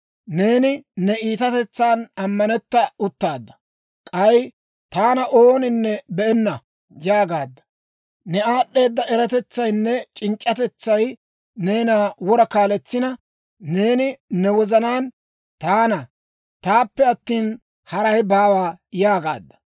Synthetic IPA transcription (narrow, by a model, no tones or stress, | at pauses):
ne̞ːnɪnɛiːt̪ɐt̪ɛt͡sːaːnɐmːɐnɛt̪ːɐʊt̪ːaːd̪ːɐ̥ | kʼɐj | t̪aːnɐʔoːnɪnːɛbɛɛnːɐ | jaːɡaːd̪ːɐ̥ | nɛaːɗːe̞ːd̪ːɐʔɛɾɐt̪ɛt͡sːɐjnːɛt͡ʃʼɪnt͡ʃʼːɐt̪ɛt͡sːɐj | ne̞ːnaːwɔɾɐkaːlɛt͡sːɪnɐ | ne̞ːnɪnɛwɔzɐnaːn | t̪aːnɐ | t̪aːpːɛɐt̪ːiːn | hɐɾɐjbaːwaːjaːɡa̰ːd̪ːɐ̥